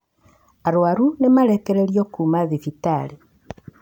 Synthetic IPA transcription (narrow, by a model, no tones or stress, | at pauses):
aɾwaɾunemaɾekeɾeɾiɔkumaðifitale